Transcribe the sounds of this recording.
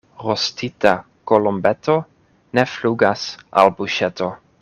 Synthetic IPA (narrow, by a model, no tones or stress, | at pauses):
ɾostita | kolombet̪ʰo | nefluɡasʔa̰lbuʃet̪o